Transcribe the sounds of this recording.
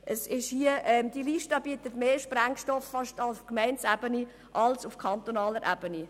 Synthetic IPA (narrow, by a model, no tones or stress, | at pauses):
ʔəsɪʃhiəɛmd̥̪iliːʃtɑːbiətətmeːʃpræŋʃtɔfːɑʃtɑlskmɛɪnsæbəni | ʔɑlsʊfkʰɑnt̪onɑːləɾʔæb̥əni